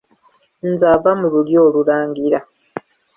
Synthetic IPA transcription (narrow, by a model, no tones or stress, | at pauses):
nzaːvamululjo̞ːlulaːŋɡiɾa